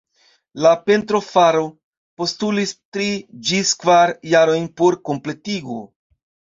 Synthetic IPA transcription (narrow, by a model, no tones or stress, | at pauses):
lape̞ntɾo̞faɾo̞ | po̞stulistɾid͡ʒiskvaɾjaɾo̞jnpo̞ɾko̞mple̞tiɡo̰